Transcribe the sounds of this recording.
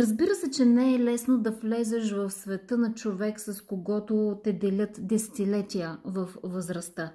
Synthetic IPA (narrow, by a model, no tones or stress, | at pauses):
ɾəzbiɾəsɛt͡ʃɛnɛɛlɛsnod̪ɐflɛzɛʃ̬vɐfsvɛt̪ɤnɐt͡ʃovɛksɐskoɡɔt̪ot̪ɛd̪ɛlʲət̪d̪ɛsɛ̥t̪ilɛt̪ʲijəvɐfvəzɾɐst̪ə